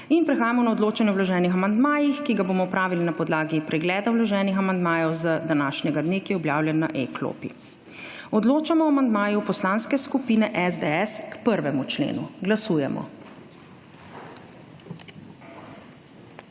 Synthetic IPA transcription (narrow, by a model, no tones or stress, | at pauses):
inpɾɛxaːjamɔnaɔd̪loːt͡ʃanjɛwlɔʒɛːnixamand̪maːjixkiɡaboːmɔpɾaːʋilinapɔd̪laːɡipɾɛɡlɛːd̪awlɔʒɛːnixamand̪maːjɔwzəd̪anaːʃnʲɛɡad̪neːkijɛɔbjaːwljɛnːa̰ʔeklo̰ːpḭ | ɔd̪loːt͡ʃamɔamand̪maːjupɔslaːnskɛskupiːnɛʔɛzd̪eɛskpəɾʋɛmut͡ʃlḛːnṵɡlasuːjɛmɔ̰